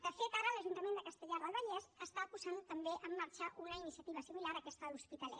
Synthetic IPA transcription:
d̪əfet̪aɾələʒunt̪əmend̪əkəst̪əʎaɾðəlˠβəʎɛzəst̪apuzant̪əmbeʔəmːaɾt͡ʃəʔunəinisiət̪iβ̞əsimilaɾəkɛst̪əluspit̪əlɛ̰

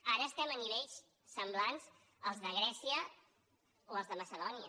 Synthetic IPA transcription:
aɾəːst̪ɛməniβɛʎs | səmblanz | əlˠzðəɣ̞ɾɛsiə | oəlˠzðəməsəðɔniə

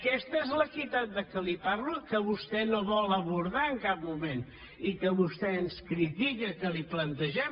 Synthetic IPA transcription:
kɛst̪əɛzləkit̪at̪̚d̪əkəlipaɾlukəβust̪ɛnoβɔlˠəβuɾðaəŋkap̚mumen | ikəβust̪ɛənskɾit̪iɣəkəliplənt̪əʒɛm

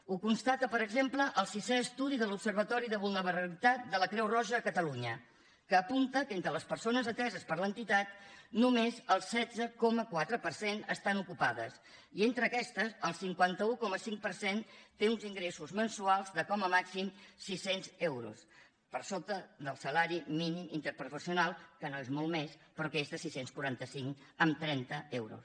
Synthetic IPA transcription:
ukunst̪at̪əpəɾəɡzempləʔəlˠsisɛəst̪uðiðəlupsəɾβ̞ət̪ɔɾiðəβulˠnəβəɾəlit̪at̪̚d̪ələkɾɛwrɔʒəːkət̪əluɲə | kəːpunt̪əkent̪ɾələspəɾsonəzət̪ɛzəspəɾlənt̪it̪at̪̚numezəlˠsɛd͡zəkɔməkwat̪ɾəpərsenə̰st̪anukupaðə̰s | ient̪ɾəːkɛst̪əsəlˠsiŋkwant̪əukɔməsiŋk̚pəɾsent̪eunziŋɡɾesuzmənsualˠzðəkɔməmaksimsisenzɛwɾṵs | pəɾsot̪əðəlˠsəlaɾiminimint̪əɾpɾufəsiunalˠkənoezmɔlˠmespɾɔkɛzt̪əsisenskuɾant̪əsiŋəmt̪ɾɛnt̪əɛwɾṵs

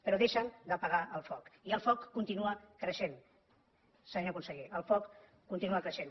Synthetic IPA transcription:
pəɾɔðeʃənd̪əpəɣaʔəlˠfɔkiəlˠfɔkːunt̪inuəkɾəʃen | sanokunsəɣiəlˠfɔkː | unt̪inuəkɾəʃen

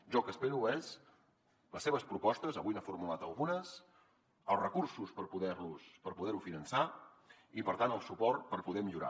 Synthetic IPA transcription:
ʒɔkəspeɾuɛz | ləsːeβəspɾupɔst̪əzəβujnəfuɾmulat̪əlˠɣunəs | əlˠzrəkursuspəɾpuðɛɾluspəɾpuðɛɾufinənsa | ipəɾt̪anəlˠsupɔrt̪̚pəɾpuðɛmiʎuɾa̰

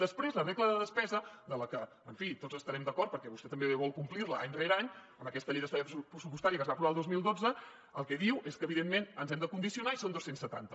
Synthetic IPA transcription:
d̪əspɾezlərekləðəðəspɛzəd̪ələkə | əɱfit̪otzəst̪əɾɛmd̪əkɔɾt̪̚pəɾkɛβust̪ɛt̪əmbeβɔlˠkumpliɾləʔaɲreɾaɲəməkɛst̪əʎejðəst̪aɾəppɾəsupust̪aɾiəkəzβapɾuβalˠozmilˠd̪od͡zə | əlˠkɛðiwʔeskəːβiðemmenənzɛmd̪əkund̪isiunaisond̪ossensət̪a̰nt̪ə

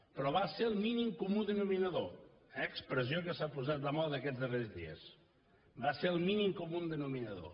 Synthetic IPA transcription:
pɾɔβaseɾəlˠminimkumuðənuminəðo | əkspɾəziokəsapuzat̪ləmɔlˠd̪əkɛzðərezðḭə̰s | baseɾəlˠminimkumund̪ənuminəðo̰

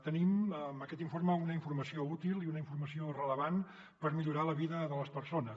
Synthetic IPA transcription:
t̪əniməməkɛt̪iɱfoɾməunəiɱfurməsiout̪ilˠiunəiɱfuɾməsiorələβan | pəɾmiʎuɾaləβiðəðələspəɾsonəs

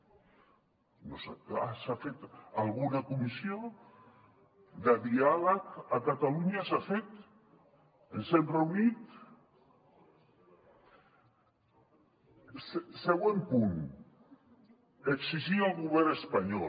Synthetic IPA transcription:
nosaasafet̪alˠɣunakumisio | d̪əðialəkakat̪aluɲasafet̪ | ənsemreunit̪ | sseɣ̞wempun | eksiʒialˠɣuβ̞ɛɾəspaɲɔ

